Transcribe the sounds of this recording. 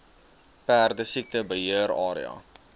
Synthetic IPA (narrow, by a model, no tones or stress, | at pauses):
pæːrdəsik̚təbəɦiəɾɑːɾḭɑ̰